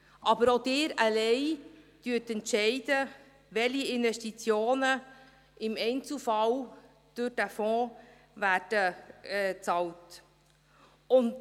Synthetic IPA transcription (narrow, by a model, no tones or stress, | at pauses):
ʔɑbəɾod̥ɪːɾəlɛɪd̥yətɛntʃɛɪdə | ʋɛliɪnvɛʃtit͡sjoːnə | ɪmɛɪnt͡sufɑl | d̥ʊɾd̥æfɔ̃ː | væːɾd̥ə | t͡sɑlt | ʊnt